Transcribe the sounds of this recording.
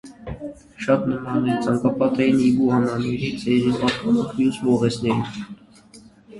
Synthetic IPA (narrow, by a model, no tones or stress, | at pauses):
ʃɑt̪nəmɑnɛɾt͡sʰɑŋkɑpɑt̪ɛjinibuhɑmɑnɛɾit͡sʰɛɾipɑt̪ɔnɔvmjusvɔʁɛsnɛɾin